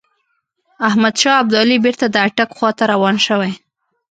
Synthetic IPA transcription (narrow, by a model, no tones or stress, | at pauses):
ahmad̪ʃɑab̚d̪ɑlibeɾt̪ad̪əaʈakxwɑt̪aɾawɑnʃəwaj